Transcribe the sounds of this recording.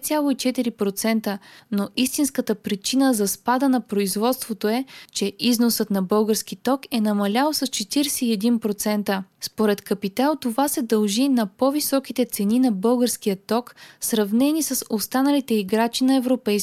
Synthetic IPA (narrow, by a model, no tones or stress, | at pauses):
t̪sʲjalˠoit͡ʃɛt̪iɾipɾot̪sɛnt̪ənoist̪inskət̪əpɾit͡ʃinəzɐspad̪ənɐpɾoizvɔt̪st̪vot̪oɛt͡ʃɛʔiznosət̪nɐbɤlˠɡəɾskit̪ɔkɛnɐmɐlʲalˠsɐst͡ʃɛt̪iɾɛsɛiɛd̪inpɾot̪sɛnt̪əspoɾɛt̪kɐpit̪alˠt̪ovasɛd̪ɐlˠʒinɐpɔvisɔk̟it̪ɛt̪sɛninɐbɤlˠɡəɾskijət̪ɔksɾɐvnɛnisəsost̪anəlit̪ɛiɡɾat͡ʃinɐɛvɾopɛjs